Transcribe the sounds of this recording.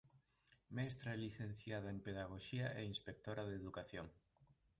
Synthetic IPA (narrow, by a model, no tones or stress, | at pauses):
mɛst̪ɾaɛliθen̟θjað̞ɐempeðaɣoʃiaʔɛinspek̚t̪oɾaðeðukaθjoŋ